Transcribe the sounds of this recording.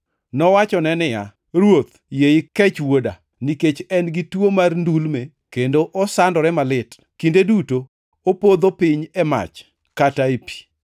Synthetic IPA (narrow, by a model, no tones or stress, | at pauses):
nɔwat͡ʃɔnɛnɪja̰ | ɾwot̪ | jejɪkɛt͡ʃwoda | niket͡ʃɛnɡɪtwomarndulme | kendoʔɔsandɔɾɛmalɪt | kindedutoː | pod̪opɪɲɛma̰t͡ʃ | kataepi̥